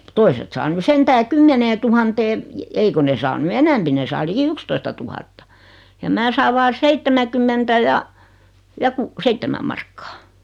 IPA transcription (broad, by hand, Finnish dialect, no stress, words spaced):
toiset sɑː ny sentæː kymːeneːtuhɑnteː ei ko ne sɑː ny enɛmpi ne sɑː liki ykstoistɑtuhɑtːɑ jɑ mæː sɑːʋ ʋɑː seitːemækymːentæ jɑ jɑ ku seitːemæ mɑrkːɑ̥ː